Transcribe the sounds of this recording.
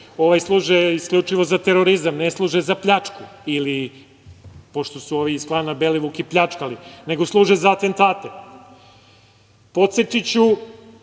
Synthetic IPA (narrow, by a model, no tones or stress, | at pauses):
o̞ʋajslˠuːʒeisklʎʲut͡ʂiʋo̞zat̪e̞ɾoɾizamneslˠuːʒezapʎat͡ʃkuili | po̞ʃt̪o̞suo̞ːʋiisklaːnːabe̞liʋukipʎat͡ʃkaline̞ɡoslˠuːʒezaːt̪e̞nt̪aːt̪e̞ | po̞t̪set̪it͡ɕu